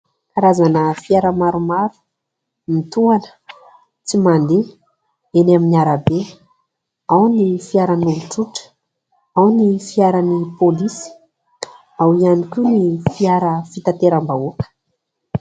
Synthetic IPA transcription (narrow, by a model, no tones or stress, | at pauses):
aɾazanəfiaɾəmaɾumaɾu̥ | mit̪uanə̥ | t͡simand̪e | enaminiaɾabe | awnifiaɾanuvuʈ͡ʂuʈ͡ʂə̥ | awnifiaɾanipolisi̥ | awianikʲunifiaɾəfit̪at̪eɾambaukə̥